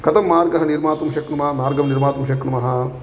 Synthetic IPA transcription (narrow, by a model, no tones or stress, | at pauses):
kɐt̪ɐmːaːɾɡɐɦɐniɾmaːt̪ɐmʃɐkɳɐmɐɦɐmaːɾɡɐmniɾmaːt̪ɐmʃɐkɳɐmɐɦɐ̆